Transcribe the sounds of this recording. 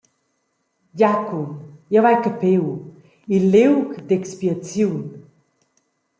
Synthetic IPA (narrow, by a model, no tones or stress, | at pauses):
jakumjavajkəpew | ilewkd̪ekspiat͡siwn